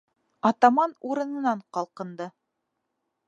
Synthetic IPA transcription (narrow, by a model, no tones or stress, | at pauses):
ɑt̪ɑmɑnuɾɤ̆nɤ̆nɑɴqɑlˠqɤ̆nd̪ɤ